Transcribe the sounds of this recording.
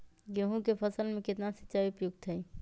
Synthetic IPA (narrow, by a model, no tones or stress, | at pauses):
jəɦũkepʰəsəlmẽket̪nasi̥tːt͡ʃajupjuɡ̚t̪ɦəɪ